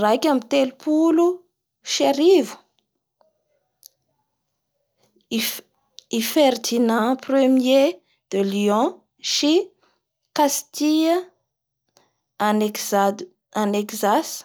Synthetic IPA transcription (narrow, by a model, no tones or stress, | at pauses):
rakʲamit̪elupulu | ʃaɾivu̥ | ifeɾd̪inãprəmje | d̪̥əliɔ̃ | ʃi | kast̪ia | anekzas